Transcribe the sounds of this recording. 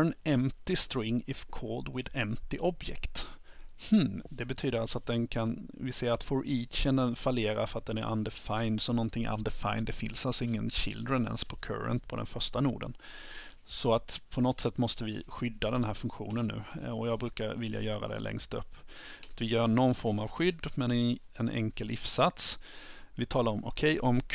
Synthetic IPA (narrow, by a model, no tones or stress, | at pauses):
nɛmt̪ɪst̪ɾɪŋːɪfkʰoːld̪wɪd̪ɛmt̪ɪʔɔbjɛ̰kt̪hm̩d̪ɛbɛt̪ʰyːd̪əɾalsɔat̪̚d̪ɛnkʰanvɪseːɾat̪foɾʔiːt̪ɕɛnd̪ənfaleːɾa̰fœɾat̪̚d̪ɛnæɾʔa̰nd̪ɛfajnd̪sɔmnɔnt̪ʰɪŋːʔa̰nd̪ɛfa̰jnd̪ɛfɪ̰nsalsɔɪŋːənɕɪ̰ld̪ɾənɛ̰nspʰɔkʰœ̰ɾə̰nt̪pʰɔd̪ɛ̰nfœʂʈanṵːɖə̰n | sɔat̪pʰɔnɔt̪sɛt̪ːmɔst̪əvɪɧʏd̪ːad̪ɛnɦæːɾfɵŋkɧṵːnənːʉ̟̰ːɔjɑːɡbɾʉ̟ːkaɾvɪlja̰jœːɾa̰d̪ɛ̰lɛ̰ŋst̪ɵ̰pːt̪vɪjœːɳɔnːfɔɾmavɧʏd̪ːmɛn | ɛnʔɛ̰ŋkəlːɪfsat̪svɪt̪ʰɑːlaɾɔmʔɔkʰɛjʔɔm